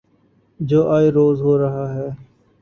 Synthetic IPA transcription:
d͡ʒoːʔaːiːɾoːzɦoːɾəɦaːɦɛː

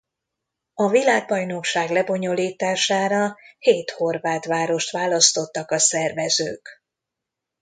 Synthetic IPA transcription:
ɒvilaːɡ̚bɒjno̞kʃaːɡlɛbo̞ɲo̞liːt̪aːʃaːɾɒheːt̪ho̞rvaːt̪ʋaːɾo̞ʃt̪ʋaːlɒst̪o̞t̪ːɒkɒsɛrvɛzø̰ːk

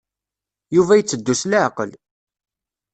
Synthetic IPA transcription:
juvæjət͡sːəd̪ːuslʕqəl

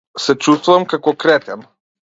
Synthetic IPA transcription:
sɛt͡ʃust̪vuvamkakɔkɾɛt̪ɛm

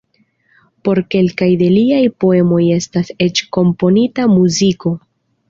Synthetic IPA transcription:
po̞ɾke̞lkajde̞liajpo̞e̞mo̞je̞stase̞t͡ʃko̞mpo̞nitamuziko̞

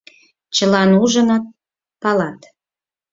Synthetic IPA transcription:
t͡ɕəlɑnuʒənɑt̪̚ | pɑlɑt̪

